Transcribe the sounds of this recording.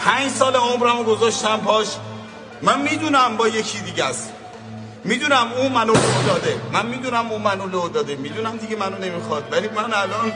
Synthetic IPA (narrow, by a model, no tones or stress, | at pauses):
pʰænd͡ʒsɒːleomɾæmoɡozɒʃt̪æmpʰɒːʃ | mænmiːd̪uːnæmbɒːjecʰid̪iːɟæs | miːd̪uːnæmuːmænolod̪ɒːd̪emænmiːd̪uːnæmuːmænolod̪ɒːd̪emiːd̪uːnæmd̪iɡemænone̞mixɒd̪̥væliːmænælɒːn